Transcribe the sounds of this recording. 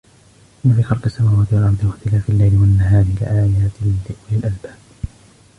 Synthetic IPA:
ʔɪnːafiːxɑlqɪsːamaːwaːt̪ɪwalʔɑɾˤd̪ˤɨwat̪ɪlaːfɪlːajlɪwanːaɦaːɾɪlɪ̰ʔaːjaːt̪ɪlɪʔwalɪlʔalbaːb

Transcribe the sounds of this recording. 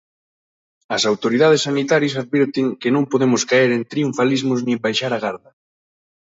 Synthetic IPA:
ɐsawt̪oɾiðað̞esːanit̪aɾjɐsaðβɛɾt̪ɪŋkɪnõmpoðemʊskaeɾent̪ɾiuɱfalizmʊznĩembajʃaɾaɣaɾðɐ

